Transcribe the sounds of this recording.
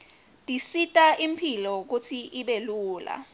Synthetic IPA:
tʼisitʼaʔimpʰilɔk̬ut͡sʰiʔiɓeluːla̰

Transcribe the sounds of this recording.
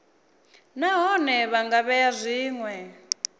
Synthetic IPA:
naɦɔnɛβaŋɡaβɛjazʷiːŋwɛ

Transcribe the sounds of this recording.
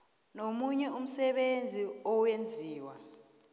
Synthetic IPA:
nomuɲɛum̩sɛɓend͡zʱiɔwend͡zʱiːwa̰

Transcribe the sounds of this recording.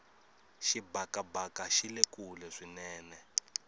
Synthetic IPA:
ʃibakabakaʃilekulɛʂinɛːnɛ

